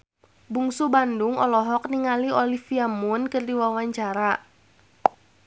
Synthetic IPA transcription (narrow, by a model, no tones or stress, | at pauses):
buŋsubandʊŋɔlɔɦɔk̚niŋaliolifiamʊnkɨrdiwawaɲt͡ʃaɾa